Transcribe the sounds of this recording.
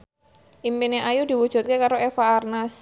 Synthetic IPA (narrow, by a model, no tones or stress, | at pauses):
ʔimpineʔajud̪̥i̤wud̥ʒ̥ṳt̪̚kekaɾoefaːrnas